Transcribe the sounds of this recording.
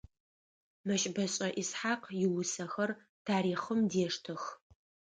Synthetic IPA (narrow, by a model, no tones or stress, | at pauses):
mɐɕʼbɐɕʼɐʔisħaːqjɪwʊsɐxɐr | tʰaːɾiːχəmdeːʂtʰɨx